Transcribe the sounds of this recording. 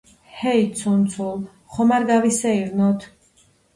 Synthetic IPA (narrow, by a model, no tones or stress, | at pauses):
hɛisʰunt̪sʰul | χɔmaɾɡavisɛiɾnɔt̪ʰ